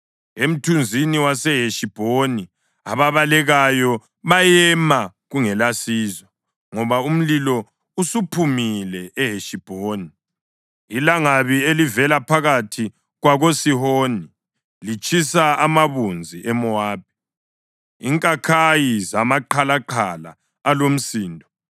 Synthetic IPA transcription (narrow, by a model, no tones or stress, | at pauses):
em̩tʰund͡zʱiniwasɛɦeʃib̥ʱoni | aβaβalɛɣajɔ | βajɛma | ɣuŋɛlasiːzwa | ŋɔβaum̩lilɔ | usupʰumilɛʔɛɦeʃib̥ʱoːniː | laŋaβielivɛlapʰaɣatʰi | ɣwaɣosihoːni | lit͡ʃʼisaamaβund͡zʱiʔɛmɔaːb̚i | iːŋkʼakʰajizamaǃʰalaǃʰala̰ː | lom̩siːndʱɔ